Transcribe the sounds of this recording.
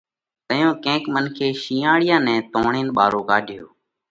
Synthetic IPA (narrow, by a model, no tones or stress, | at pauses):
t̪əjõːkɛ̃ːkmənkʰeːʃiːãːɽɪjãːnɛ̃ːt̪oːɳeːnɓaːɾoːkaːɖʱɪjo̰ː